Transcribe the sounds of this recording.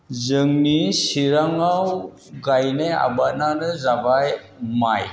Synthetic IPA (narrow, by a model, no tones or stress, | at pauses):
zɯŋnisiɾaŋaw | ɡajneja̰bat̚nanɯzabaj | maj